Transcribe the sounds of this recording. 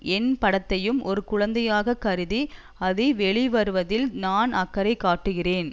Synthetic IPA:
ɛnpɐɽɐt̪ːɐjɯmʔɔɾɯkʊɻɐnd̪ɐjaːɣɐkɐɾɯði | ɐðɛʋɛɭɪʋɐɾɯʋɐðɪlnaːnɐkːɐɾɐɪkːaːʈːɯɣɪreːn

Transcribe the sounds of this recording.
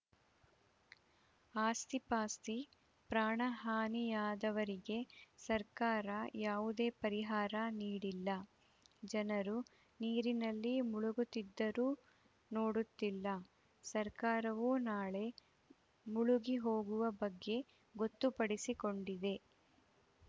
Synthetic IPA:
aːst̪ipaːst̪i | pɾaːɳɐɦaːnijaːd̪ɐʋɐɾiɡe̞sɐɾkaːɾɐjaːʋud̪e̞ːpɐɾiɦaːɾɐniːɽilːɐ | d͡ʒɐnɐɾu | niːɾinɐlːimuɭuɡut̪id̪ːɐɾuː | no̞ːɽut̪ːilːɐ | sɐɾkaːɾɐʋuːnaːɭe̞ | muɭuɡiɦo̞ːɡuʋɐbɐɡːe̞ | ɡo̞t̪ːupɐɽisiko̞ɳɖid̪e̞

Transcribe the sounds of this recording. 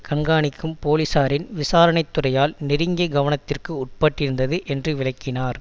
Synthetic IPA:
kɐɳɡaːɳɪkːɯmpoːlɪsaːɾɪnʋɪsaːɾɐɳɐɪt̪ːʊrɐjaːlnɪɾɯŋɡɐɡɐʋɐnɐt̪ːɪrkɯʊʈ̚pɐʈːɪɾɯnd̪ɐðɯʔɛndrɯʋɪlɐɪkːɪnaːɾ

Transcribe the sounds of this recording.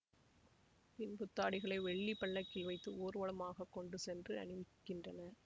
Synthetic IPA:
pɪnpʊt̪ːaːɽɪɣɐɭɐɪʋɛɭːipːɐɭːɐkːɪlʋɐɪt̪ːɯoːɾɯʋɐɭɐmaːɣɐkːɔɳɖɯsɛndrɯɐ̰nɯʋɪkːɪndrɐnɐ

